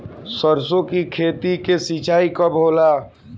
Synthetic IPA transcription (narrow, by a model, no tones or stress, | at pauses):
səɾsõkikʰeːt̪ikesit͡ʃaːikəbʱoːla